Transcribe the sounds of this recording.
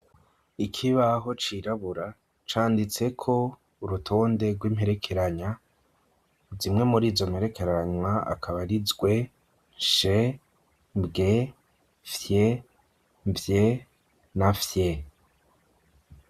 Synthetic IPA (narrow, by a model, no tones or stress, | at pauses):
ikʰiβaɦo̞t͡ʃiɾaβuɾa | t͡ʃaːndit͡se̞kʰo̞ | uɾutʰo̞ːnde̞ɡwiːm̥he̞ɾe̞kʰe̞ɾaɲa | zimŋe̞muɾiːzo̞mhe̞ɾe̞kʰe̞ɾaaɲwaa̰kʰaβaɾizɡwe̞ | ʃe | bɡe | fje | vje | nafje